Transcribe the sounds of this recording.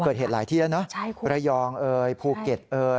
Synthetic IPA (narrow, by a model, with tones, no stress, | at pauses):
ɤː˨˩t̪̚ɦeː˨˩t̪̚laː˨˩˦jt̪ʰiː˥˩la˦˥˩wnɔ˦˥ʔʰɾa˧jɔː˧ŋʔɤː˧jpʰuː˧ke˨˩t̪̚ʔɤː˧